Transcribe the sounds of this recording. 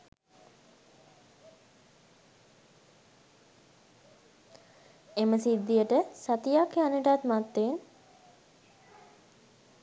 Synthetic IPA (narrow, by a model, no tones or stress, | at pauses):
eməsid̪ːijəʈəsat̪ijakjanəʈat̪mat̪ːen